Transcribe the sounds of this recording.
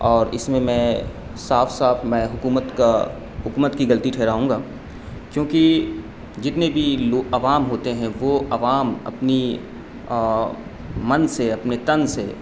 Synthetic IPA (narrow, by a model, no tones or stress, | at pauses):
ɔːɾɪsmẽmɛ̃ː | saːfʰsaːfʰmɛ̃ːɦʊkuːmət̪ka | ɦʊkuːmət̪kiɡɐlt̪iʈʰɛːɾaːɦũːŋɡaː | kjõːki | d͡ʒɪt̪nebʱiloːɐʋaːmɦoːt̪eɦɛ̃ʋoʔɐʋaːmɐ̰pni | mɐnseɐpnet̪ɐnse